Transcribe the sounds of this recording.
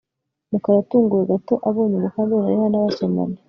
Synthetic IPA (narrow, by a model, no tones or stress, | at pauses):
nukaɾatuːŋɡuɾeɡatoʔaβoːɲuβukaβeɾajehanaβasama̰ni